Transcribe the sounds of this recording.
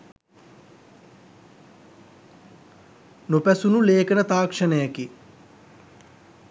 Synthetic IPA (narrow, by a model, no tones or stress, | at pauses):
nopæsunuleːkənət̪aːkʂənəjaki